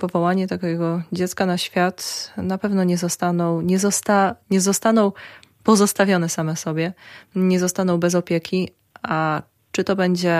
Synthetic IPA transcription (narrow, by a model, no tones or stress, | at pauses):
pɔvɔwaɲɛt̪akʲɛɡɔd͡ʑɛt̪skanaɕfʲjat̪napɛvnɔɲɛzɔst̪anɔwɲɛzɔst̪aɲɛzɔst̪anɔ̃w | pɔzɔst̪avʲjɔnɛsamɛsɔbʲjɛɲɛzɔst̪anɔ̃wbɛzɔpʲjɛkʲi | a | t͡ʂɘt̪ɔbɛɲd͡ʑɛ